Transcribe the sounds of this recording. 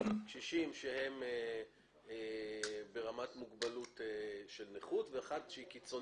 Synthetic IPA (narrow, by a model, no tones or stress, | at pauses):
ʃiʃimʃehe̞m | ebe̞ʁamatmuɡbalut̪eʃelneχutveaχadʃeikit͡so̞